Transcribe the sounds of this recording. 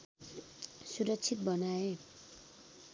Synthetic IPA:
suɾʌkt͡sʰit̪̚bʌnae

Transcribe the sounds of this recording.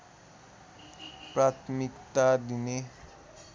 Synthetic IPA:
prat̪ʰmikt̪ad̪ine

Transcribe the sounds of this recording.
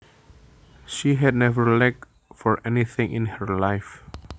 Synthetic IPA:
ʃiɦɛdnɛvəɹlɛk̚ | fɔɹʔɛniθɪ̃ŋʔɪ̰̃nhəɹlajf

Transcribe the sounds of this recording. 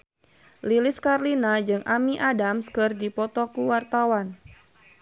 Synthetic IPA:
lilɪskarlinad͡ʒɨŋʔamiʔadamskɨrdipɔt̪ɔkuwart̪awan

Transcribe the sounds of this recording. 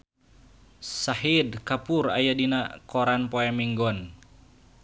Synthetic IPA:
saɦidkapura̰jadinakɔɾanpoɛmiŋɡɔn

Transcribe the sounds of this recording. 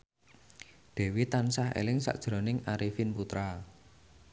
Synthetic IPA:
d̪̥e̤wit̪ansahḛlɪŋsa̰ʔd̥ʒ̥ɾo̤nɪŋaɾifinput̪ɾa

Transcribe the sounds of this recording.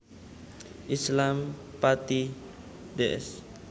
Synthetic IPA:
ʔislampat̪i | deʔɛ̰s

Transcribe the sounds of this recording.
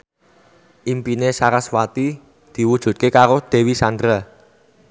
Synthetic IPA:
ʔimpinesaɾaswat̪i | d̪̥i̤wud̥ʒ̥ṳt̪̚kekaɾod̪̥e̤wisand̪ɾa

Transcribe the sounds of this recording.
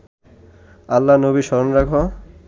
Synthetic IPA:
alːanobiʃɔɾonɾakʰo

